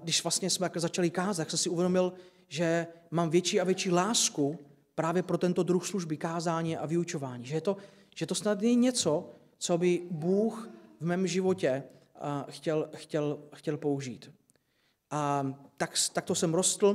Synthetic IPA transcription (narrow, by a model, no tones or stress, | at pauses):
dɪʃv̥last̪ɲɛsmɛzat͡ʃalɪkaːzat̪ːaksɛmsɪʔuvjɛdo̞mɪl | ʒɛmaːmvjɛt͡ʃiːavjɛt͡ʃiːlaːsku | pɾaːvjɛpɾo̞t̪ɛnt̪o̞d̪ɾuxsluʒbɪkaːzaːɲɛʔavɪut͡ʃo̞vaːɲiʒɛjɛt̪o̞ | ʒ̥ɛt̪o̞snad̪nɛɲɛt͡so̞ | t͡so̞bɪbuːxvmɛːmʒɪvo̞cɛ | xcɛlxcɛlxcɛlpouʒiːt̪ | ʔat̪akst̪ak̚t̪osɛmɾost̪l̩